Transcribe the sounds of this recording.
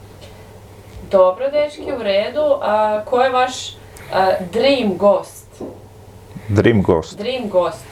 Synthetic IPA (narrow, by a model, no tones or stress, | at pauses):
d̪obɾod̪eʃkeuɾeːd̪ukʰojeʋaʃ | d̪ɾiːmɡoːst̪ | d̪ɾiːmɡo̰ːsd̪ɾiːmɡoːst̪